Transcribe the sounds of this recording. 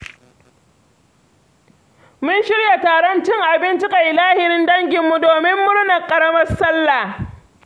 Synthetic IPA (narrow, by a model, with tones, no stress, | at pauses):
mʊ˦nʃɪ˦ɽja˨taː˨ɾɐ˦nt͡ʃɪ˦ŋʔa˨bɪ˦nt͡ʃɪ˦ka˨ʔɪ˨laː˦hɪ˨ɾɪ˦ndɐ˦ŋɡʲɪ˨mːu˦doː˨mɪ˦mːʊ˦ɽnɐ˨kʼɐ˨ɾɐ˦mɐ˦rsɐ˦lːa˨